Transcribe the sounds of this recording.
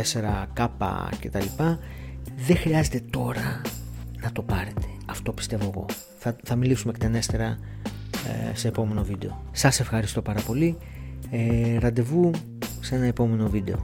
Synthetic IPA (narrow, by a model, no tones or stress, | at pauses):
ese̞ɾɐkɐpɐ̰ce̞t̪ɐlipɐ | ðe̞xɾiɐze̞t̪e̞t̪o̞ɾɐ | nɐt̪o̞pɐɾe̞t̪e̞̥ɐft̪o̞pi̥st̪e̞vo̞eɣo̞̰ | θɐθɐmilisumekt̪ene̞st̪e̞ɾɐ̰ | se̞ːpo̞me̞no̞vid̪e̞o̞ | sɐse̞fxɐɾist̪o̞pɐɾɐpo̞li | eɾɐnd̪e̞vu | se̞nɐepo̞me̞no̞vid̪e̞o̞̰